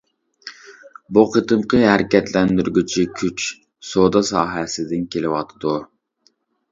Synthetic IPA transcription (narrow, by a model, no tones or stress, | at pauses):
buqʰət̪ʰɨmqʰəɦæɾɪkʲɛt̪lɛnd̪yɾɡʲyt͡ʃʰikʲʰyt͡ʃ | sod̪ɑsɑːɦɛsɪd̪ɪnkʲʰelɪwɑt̪ʰɨd̪u